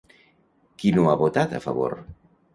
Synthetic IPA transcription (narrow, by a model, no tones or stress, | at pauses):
kinoaβot̪at̪a̰fa̰βo̰ɾ